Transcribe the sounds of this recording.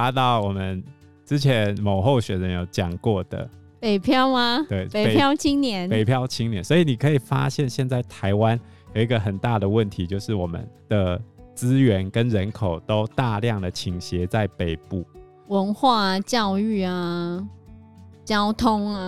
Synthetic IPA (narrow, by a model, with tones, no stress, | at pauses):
a˥t̪ɑ˥˩ʊwɔ˨˩mə˦n | ʈ͡ʂɻ̩˦˥t͡ɕʰjɛ˨˧˦nmo˨˩ʊxo˥˩ʊɕɥɛ˨˩nɻə˧˦njo˨˩ʊt͡ɕjɑ˨˩ŋkwɔ˥˩d̪ə̰˩ | pe˨˩ɪpʰjɑ˥˧ʊma˧t̪we˥˩ɪe˨˩jɑ˥˧ʊt͡ɕʰi˥ŋnjɛ˧˦npe˨ɪpʰjɑ˥˧ʊt͡ɕʰi˥ŋnjɛ˧˦nswɔ˧˥i˨˩ni˨˩kʰə˧˥i˨˩fa̰˦˥ɕjɛ˥˨nɕjɛ˥˧nt͡sa˥˩ɪt̪ʰa˧˦ɪwa˦n | jo˨˩ʊi˧˥ɡə˨˩xə˨˩nt̪a˥˩d̪ə˩wə˥˩nt̪ʰi˨˥t͡ɕjo˥˧ʊʂɻ̩˥˩wɔ˨˩mə̰˨˦nd̪̥ə˨˩t͡sɹ̩˦˥ɥɛ˧˥nkə˦˥nɻə˧˦nkʰo˨˩ʊt̪o˦˥ʊt̪a˥˧ljɑ˥˩ŋd̪ə˩t͡ɕʰi˨˩ŋɕjɛ˨˦t͡sa˥˩ɪpe˨˩ɪpu˥˩ | wə˧˦nxwa˥˩a˨˩t͡ɕjɑ˥˧ʊy˥˩a˨ | t͡ɕjɑ˦˥ʊt̪ʰʊ˥ŋa˧